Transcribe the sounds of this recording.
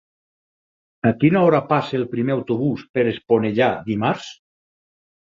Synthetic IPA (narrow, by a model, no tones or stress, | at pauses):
akinaɔɾapaseːlˠpɾimeawt̪oβuspeɾesponeʎad̪imaɾs